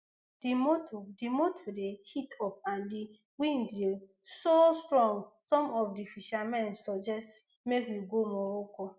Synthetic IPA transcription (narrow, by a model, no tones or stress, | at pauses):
d̥imotʰodimotʰodehitʰɔp̚ãndi | wĩndil | sostɾɔ̃ŋɡsɔmɔfdifiʃamɛ̃nsɔd͡ʒɛst | mekwiɡomɔɾokɔ